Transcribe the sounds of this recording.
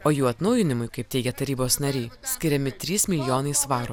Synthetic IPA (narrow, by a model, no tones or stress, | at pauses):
oːjuːɐt̪nɐʊjɪnʲɪmʊɪkɐɪp̚t̪ʲɛɪɡʲɛt̪ɐɾʲiːboːsnɐɾʲɛɪsʲkʲɪɾʲɛmʲɪt̪ʲɾʲiːsmʲɪlʲɪjoːnɐɪsʋɑːɾo